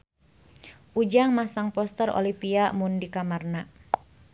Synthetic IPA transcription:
ʔud͡ʒaŋmasaŋpɔst̪əro̰lipiamʊndikamarna

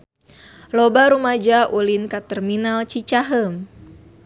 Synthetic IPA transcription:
lobaɾumad͡ʒaʔulinkat̪ɛrminalt͡ʃit͡ʃaɦəm

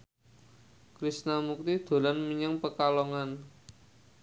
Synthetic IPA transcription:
kɾisnamuk̚t̪id̪̥o̤lanmiɲaŋpəkalɔŋan

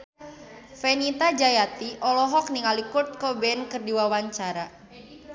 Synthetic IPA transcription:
fenit̪ad͡ʒajat̪iʔɔlɔɦɔk̚niŋalikurt̪̚kɔbɛnkɨrdiwawaɲt͡ʃaɾa

